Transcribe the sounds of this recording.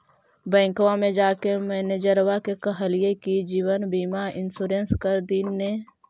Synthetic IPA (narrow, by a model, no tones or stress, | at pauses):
bɛ̃ːŋkwamẽd͡ʒaːkemɛːned͡ʒəɾwakekəɦəlijekid͡ʒiːwənbiːmaːɾɪnsuːɾẽːnskəɾd̪inːe